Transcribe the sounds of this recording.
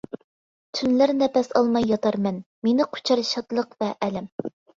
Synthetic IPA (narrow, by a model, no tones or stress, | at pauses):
t̪ʰynlæɾnɛpɛsɑlˠmɑjːɑt̪ʰɑɾmɛn | menɪqʰo̥t͡ʃʰɑɾʃɑt̪lˠəqvɛʔːlɛm